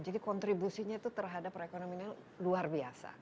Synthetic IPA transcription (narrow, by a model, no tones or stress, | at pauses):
d͡ʒadikɔnt̪ɾibusiɲat̪ut̪ərɦadapɾekonomiɲa | luarbiasa̰